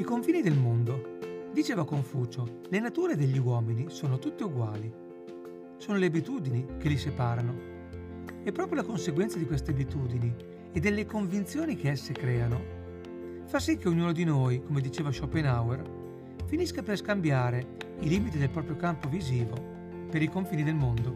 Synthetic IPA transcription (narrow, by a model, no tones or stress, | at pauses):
ikoɱfiːnid̪elmond̪od̪it͡ʃeːvakoɱfuːt͡ʃo | lenat̪uːɾed̪eʎːiwɔːminisoːnot̪ut̪ːeuɡwaːli | soːnoleabit̪uːd̪inik̟elisepaːɾano | ɛpːɾɔːpɾjolakonseɡwɛnt̪sad̪ikwest̪eabit̪uːd̪ini | ed̪ːelːekoɱvint̪sjoːnik̟eɛsːekɾɛːano | fasikːeoɲːuːnod̪inoːjkomed̪it͡ʃeːvaʃopenawer | finiskaperskambjaːɾe | iliːmit̪id̪elpɾɔːpɾjokampoviziːvo | peɾikoɱfiːnid̪elmond̪o